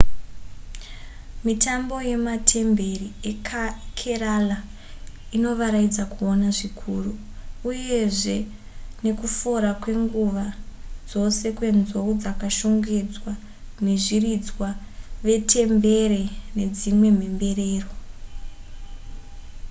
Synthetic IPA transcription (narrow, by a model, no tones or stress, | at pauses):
mitambo̞je̞matʰe̞mbe̞riekkʰeɾala | ino̞ʋaɾaid͡zakuonaʐikʰuru | uje̞ʐe̞ | ne̞kufoɾakwe̞ŋɡuʋad͡zo̞se̞kwe̞nzoud͡zakaʃuŋɡed͡zwa | ne̞ʐirid͡zwa | ʋe̞tʰe̞mbe̞ɾe̞ne̞d͡zimwe̞m̤e̞mbe̞reːro̞